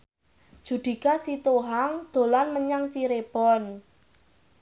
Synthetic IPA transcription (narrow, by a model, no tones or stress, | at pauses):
d̥ʒ̥ṳd̪̥i̤kasit̪oɦaŋd̪̥o̤lanməɲaŋt͡ʃiɾeb̥ɔn